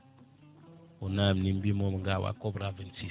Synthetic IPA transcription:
unamnimbimɔmŋɡawa̰kɔbɾavənsi

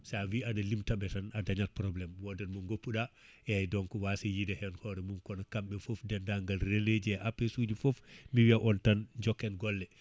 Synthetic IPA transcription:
saawiadalimtaɓɛtanadaɲalpɾɔblɛmwɔdɛnmɔŋɡopːuɗa | ɛajdɔŋkɔwasɛjidɛhɛnhɔɾɛmunkɔnakamɓɛfofdɛndaŋɡalreled͡ʒiɛʔapːesuːd͡ʒifofmiwiaʔɔntanɲd͡ʒɔkːɛnɡɔlːɛ

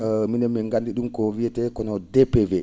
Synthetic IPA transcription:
minɛmːiŋɡandiɗumkɔvijɛtɛkɔnɔdɛpɛvɛ

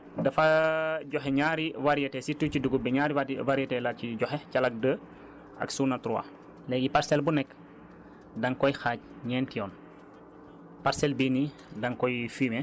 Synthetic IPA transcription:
dɐfɐɟɔxɛɲaːɾiwaɾijɐtɛsituciduɡubɛɲaɾiwaɾjɛtɛlaciɟɔxɛcɐlɐk̚də | ʔɐ̰ksunɐtɾua̰ | lɛːɡipaɾsɛlbunɛkː | dɐŋkɔjxaːc̚ɲɛːntijɔːn | paɾsɛlbini | dɐŋkɔjfiːmɛ

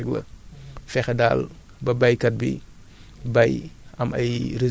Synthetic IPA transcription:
ɡlɐ̰fɛxɛdaːl | bɐbɐjkɐt̚bḭ | bajɐmɐ̰jɾe

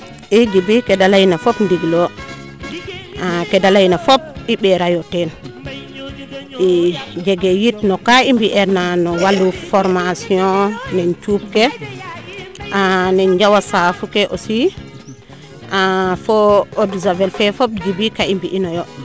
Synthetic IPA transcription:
ʔiɡibikɛdalajinafɔpndiɡlɔ | akɛdalajinafɔp̚iɓɛɾajɔtɛn | id͡ʒɛɡɛjitnɔkaimbiʔɛɾnanɔwalufɔɾmasiɔ̃nɛnt͡ʃup̚kɛ | anɛnd͡ʒawasafukɛʔɔsi | ʔafɔoduzavɛlfɛfɔp̚ɡibikaimbiʔinɔjɔ

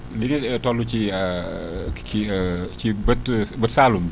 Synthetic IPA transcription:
linitɔlːut͡ʃi | it͡ʃibətbətsalum

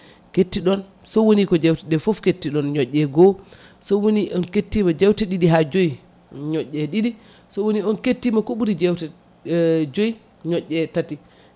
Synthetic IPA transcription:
ketːiɗɔn | sɔwonikɔd͡ʒɛwtɛɗɛfɔfketːiɗɔnɲɔʔːɛɡɔ | sɔwoniʔɔnketːimad͡ʒɛwtɛɗiɗiɦad͡ʒoj | ɲɔʔːɛɗiɗi | sɔwoniɔnketːimakoɓuɾid͡ʒɛwtɛ | d͡ʒoj | ɲɔʔːɛtati

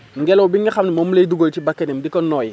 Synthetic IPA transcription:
ŋɡɛlowbiŋɡixamnimomuleduɡojtibakːenemdikɔnːɔj

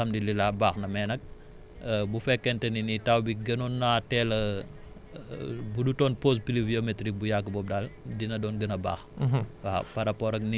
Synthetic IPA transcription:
ɐmdililaːbaːxnɐmɛːnɐk̚ | bufɛkːɛntɛninitawbiɡɐnunːatɛl | budutɔːnpospiliviometɾik̚bujakːəbɔːp̚daldinɐdɔːnɡənɐba̰ːxwapɐɾɐpɔɾɐkni

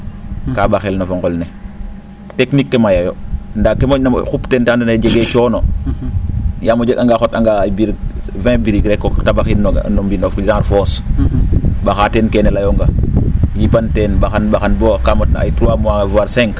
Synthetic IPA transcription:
kabaxelnofɔŋɡɔlne | teknikːemajajondakːemona̰xuptentandoned͡ʒeɡet͡ʃɔːno | jaːmod͡ʒeɡaŋɡaxɔtaŋɡabiɾvɛ̃biɾiɡɾɛkːotabaxilnombinofzãɾfɔːs | baxatenkɛnɛlajoŋɡajipantɛnbaxanbaxanbɔːkamotna̰a̰jtɾuwamuavaːɾsɛ̃ŋk

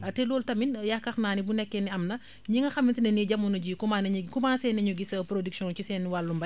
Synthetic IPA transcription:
ɐtɛloːltɐminjakːɐxnaːnibunɛkːɛniɐmnɐ | ɲiŋɡɐxɐmintinɛniɟamunɐɟiːkumankumaːnsɛnɛɲuɡisɐpɾodiksiɔ̃nt͡ʃisɛnːiwalːumbɐ

